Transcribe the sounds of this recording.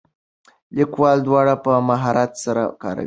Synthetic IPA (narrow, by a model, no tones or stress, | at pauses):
likwɑld̪wɑɽapəmaɦɑɾat̪saɾa̰kɑ̰ɾa̰wi